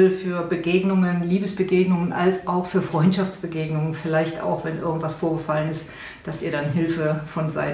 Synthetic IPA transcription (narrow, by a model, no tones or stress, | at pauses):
lfyːɐbəɡeːɡnʊŋənliːbəsb̥əɡeːɡnʊŋənʔa̰lsʔaʊxfyːɐfʁ̥ɔʏntʃaft͡sb̥əɡeːɡnʊŋənfɪlaɪçta̰ʊxv̥ɛnʔɪ̰ɐɡŋ̩tv̥asfoːɐɡəfalənɪst | d̥asiːɐɾanɦɪlfəfɔnza̰ɪ